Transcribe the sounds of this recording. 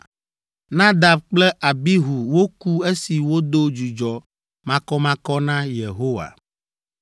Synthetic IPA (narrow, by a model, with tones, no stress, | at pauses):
nã˦d̪a˨bk͡plɛ˦ʔa˨bi˦ɦu˨wo˦ku˦e˦si˨wo˦d̪o˦d͡ʒu˨d͡ʒɔ˨ | mã˦kɔ˦mã˦kɔ˦nã˦je˨ɦo˦wa̰˨